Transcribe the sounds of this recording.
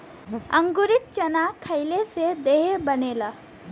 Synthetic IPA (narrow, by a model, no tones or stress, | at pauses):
əŋɡuɾit̪̚t͡ʃənakʰəjlesed̪eɦebənela